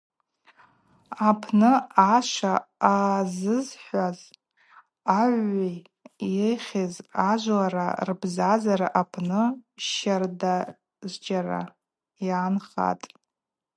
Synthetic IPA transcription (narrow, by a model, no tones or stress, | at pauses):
apʰnɨaʃʷaazɨzħʷaz | aʕʷej | eχʲezaʒʷlaɾa̰rbzazaɾaʔapʰnɨʃarda | zd͡ʒara̰ | jaːnχa̰tʼ